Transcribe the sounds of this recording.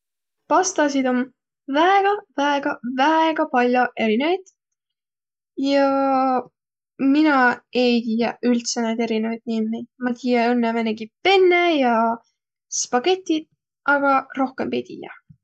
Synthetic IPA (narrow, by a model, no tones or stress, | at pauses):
pɑst̪ɑs̬id̪o̞m | væeɡ̥ɑvæeɡ̥ɑvæeɡ̥ɑpɑlʲjoʔe̞ɾinevid̪̥ | jɑ | minɑe̞jt̪iːjɑylt̪sened̪e̞ɾinevɑjd̪̥nimːejd̪̥mɑt̪iːjɑonːeveneɡipe̞nːejɑ | spɑɡe̞t̪ʲːid̪̥̚ | ʔɑɡ̥ɑro̞hkembejt̪ḭːjɑ̰